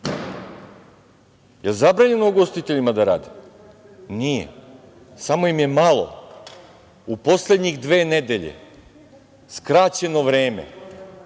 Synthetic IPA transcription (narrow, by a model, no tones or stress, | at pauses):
jelzabɾaːɲenuɡo̞st̪it̪eʎimad̪aɾaːd̪i | nijḛ | samo̞imje̞malˠo̞̰ | upo̞slʲe̞d̪ɲiɣd̪ʋe̞ːned̪e̞ʎḛ | skɾaːt͡ɕe̞no̞ʋɾe̞ːmḛ